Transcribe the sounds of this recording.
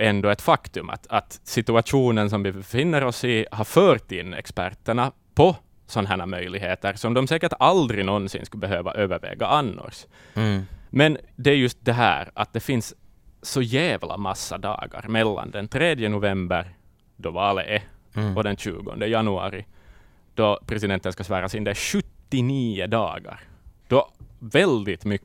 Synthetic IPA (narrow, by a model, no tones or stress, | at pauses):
ɛnd̪ɔɛt̪fɑkt̪ɵma̰t̪ɑt̪sɪt̪ʉaʂuːnəns̬ɔmvɪbɛfɪnːəɾɔsihɑɾfœːɾt̪ɪnːɛ̰kspæɾt̪əɳa | pʰɔ | sɔnːɦæɳamœjlɪɡɦeːt̪əɾsɔmd̪ɔmsɛːkəʈald̪ɾɪnɔnsɪ̰nskɵbɛɦøːva̰ʔøːvəɾvɛ̰ːɡaʔɑnːɔ̰ɾs | mɛnd̪ɛæjɵst̪̚d̪ɛɦæ̰ːɾat̪̚d̪ɛfɪnsː | ɔjæːvlʔa̰masːad̪ɑ̰ːɡa̰ɾmɛlːa̰nd̪ɛnt̪ʰɾeːd̪jənʊvɛmbəɾ | d̪ɔvɑːlə̰ʔɛɔd̪ɛnɕʉ̰ːɡɔ̰nd̪əjɑnʉɑ̰ːɾɪ | d̪̥ɔpʰɾɛsɪd̪ɛnt̪ənskasʋæːɾasɪnd̪ɛæɕɵt̪ːɪniːəd̪ɑ̰ːɡa̰ɾd̪̥ɔvɛld̪ɪt̪mʏ